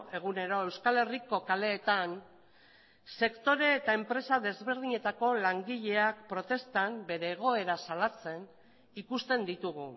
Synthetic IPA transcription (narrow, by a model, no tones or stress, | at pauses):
e̞ɣ̞une̞ɾo̞ewskale̞riko̞kale̞ːt̪an | se̞kt̪o̞ɾe̞ːt̪ae̞mpɾe̞saðe̞zβe̞ɾðiɲe̞t̪ako̞laŋɡiʎe̞ak̚pɾo̞t̪e̞st̪ambe̞ɾe̞ːɣ̞o̞e̞ɾasalat͡se̞n | ikust̪e̞nd̪it̪uɣ̞u